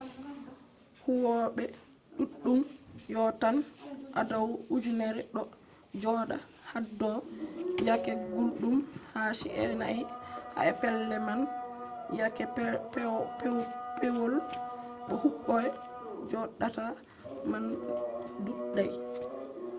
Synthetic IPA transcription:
huwɔɓɛ | ɗuɗːumjɔtanʔa̰dawud͡ʒunɛɾɛɗɔ | d͡ʒɔɗa̰ | hadːɔjakɛɡulɗumhaːsḭʔɛ̰najha̰ɛpɛlːɛmanjakɛpɛ | pʰɛwɔl | ɗɔhuɓːɔɛ | d͡ʒɔɗːata | man | duɗːaj

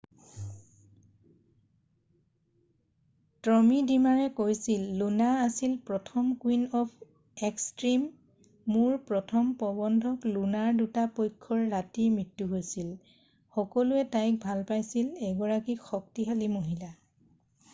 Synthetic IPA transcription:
tɹɔmidimaɹɛkojsilːunaasilpɹɔtʰɔmkwinɔpʰ | ekstɹimː | uɹpɹɔtʰɔmpɔbɔndʱɔklunaɹdutapojkʰːɔɹːatimɹitːuɦojsil | xɔkɔluɛtajk̚bʱalpajsilɛɡɔɹakixɔk̚tiɦalimoɦila

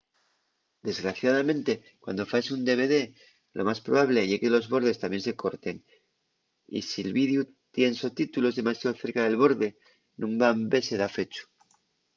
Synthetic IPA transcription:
d̪e̞zɣɾaθjað̞amẽnt̪e̞ | kwa̰nd̪o̞fajsund̪e̞β̞e̞ðe̞ | lo̞̰maspɾo̞βaβle̞ʝeɣe̞lo̞zβo̞ɾð̞e̞st̪amje̞nse̞ko̞ɾt̪e̞ŋ | ḭsielβið̞ju | t̪je̞nso̞t̪it̪ulo̞zðe̞masjaðoθe̞ɾkaðe̞lβo̞ɾðe̞ | nũŋbambe̞se̞ð̞afe̞t͡ʃu̥

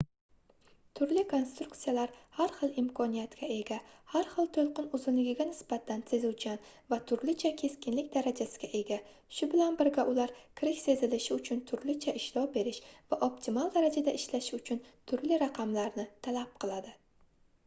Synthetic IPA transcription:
t̪ʰʊɾlɪkʰo̞nst̪ɾʊk̚t̪sijalaɾaɾχɨlˠɪmkʰɒnijat̪kʲae̞ɡʲahaɾχɨlˠt̪ʰolˠqɨnʊzɪnlɪɡʲɪɡʲanɪsbat̪ʰanse̞zʊwt͡ʃʰan | vat̪ʰʊɾlɪt͡ʃʰakʲʰe̞skʲɪnlɪkʲd̪aɾad͡ʒasɪ̥ɡʲaʔe̞ɡʲa | ʃʊbɪlanbɪɾɡʲaʔʊlaɾkʲʰɪɾɪkʲse̞zɪlɪʃɪʊt͡ʃʰʊnt̪ʰʊɾlɪt͡ʃʰaɪʃlɒbe̞ɾɪʃvaʔopt̪ʰɪmalˠd̪aɾad͡ʒad̪aʔɪʃlaʃɪʊt͡ʃʰʊnt̪ʰʊɾlɪɾaqʰɑmlaɾnɪt̪ʰalap̚qʰɨlˠad̪ɪ

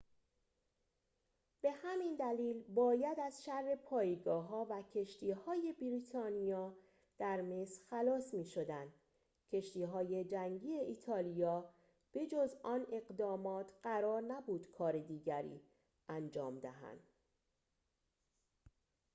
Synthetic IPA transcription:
b̥e̞hæmind̪æliːlbɒːjæd̪æzʃærːe̞pʰɒːjeɡɒːɦɒːvæcʰe̞ʃt̪ʰiːhɒːje̞biɾit̪ʰɒːnijɒː | d̪̥æɾmesɾxælɒːsmiːʃo̞d̪ænd̪̥ | cʰe̞ʃt̪iːɦɒːje̞d͡ʒæŋɟiːe̞ʔiːt̪ʰɒːlijɒː | b̥e̞d͡ʒozɒːne̞ɢd̪ɒːmɒːt̪ʰɢæɾɒːɾnæbuːd̪̥kʰɒːɾe̞d̪iːɟæɾḭː | ænd͡ʒɒːmd̪æɦæ̰nd̪̥

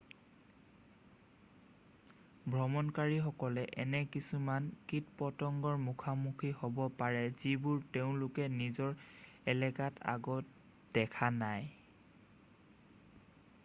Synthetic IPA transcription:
bʱɹɔmɔnkaɹixɔkɔlɛʔɛ̰nɛkisumankitpɔtɔŋɡɔɹmukʰamukʰihobɔpaɹɛzibʊɹteʊ̃lʊkɛnizɔɹ | ɛlɛkatʰa̰ɡɔt̚ | d̥ɛkʰanaj

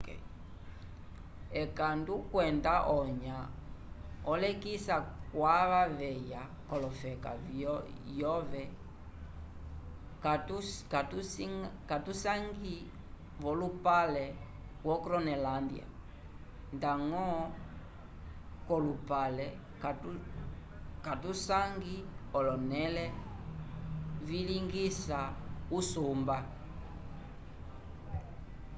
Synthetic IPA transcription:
ɛkandukwɛndaʔɔɲa | ɔlɛkisakwaβavɛja | kɔlɔfɛka̰vjɔvɛ | katuskatusaŋɡi | vɔlupalɛ | wɔkɾɔnɛlandḭa̰ | ndaŋɔ | kɔlupalɛ | katusaŋɡiɔlɔnɛlɛ | viliŋɡisausumba

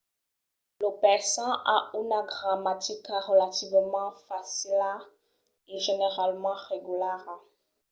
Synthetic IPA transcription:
ləpɛʁsɑ̃ʔa̰ynaɡʁamat̪ikaʁəlat̪ivmɑ̃fasila | eʒeneʁalmɑ̃ʁeɡylɛʁa

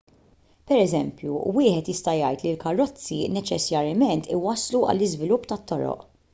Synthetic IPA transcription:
pɛɾɛzɛmpjuwɪːħɛt̪jɪst̪ɐjɐjt̪lilkɐrːɔt͡sːinɛt͡ʃɛsjɐɾjɐmɛnt̪ɪwɐsːluɐ̰lːɪzvɪlʊpːt̪ɐt̪ːɔɾɔ̰ʔ

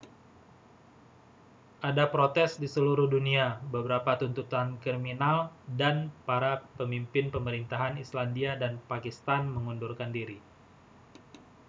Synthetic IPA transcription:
ʔadapɾot̪ɛsdisəluɾuhduniabəbəɾapat̪unt̪ut̪ankɾiminaldanpaɾapəmimpɪnpəməɾint̪aɦanislandiadanpakist̪anməŋundurkandiɾi

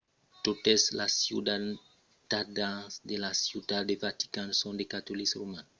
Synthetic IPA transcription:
t̪ot̪eslasjud̪a | t̪adasd̪elasjud̪ad̪evat̪i̥kansõnd̪ekat̪olisrumãn

